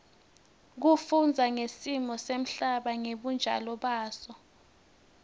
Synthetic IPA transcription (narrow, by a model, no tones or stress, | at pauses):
k̬ufund͡zʱaŋesimɔsem̩ɬaɓaŋeɓund͡ʒʱa̰lɔɓaːsɔ